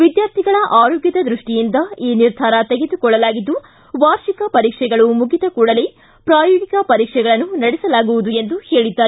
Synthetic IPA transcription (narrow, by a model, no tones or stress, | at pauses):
ʋid̪jaːɾt̪ʰiɡɐɭɐʔaːɾoːɡjɐd̪ɐd̪ɾuʂʈijind̪ɐiːniɾd̪ʱaːɾɐt̪eɡed̪ukɔɭːɐlaːɡid̪ːu | ʋaːɾʂikɐpɐɾiːkʂɛɡɐɭumuɡit̪ɐkuːɽɐleː | pɾaːjoːɡikɐpɐɾiːkʂɛɡɐɭɐnːunɐɽɛsɐlaːɡuʋud̪ue̞nd̪uhe̞ːɭid̪ːaː